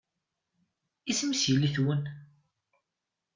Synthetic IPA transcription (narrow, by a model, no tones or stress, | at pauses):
ismsjəlːiθwən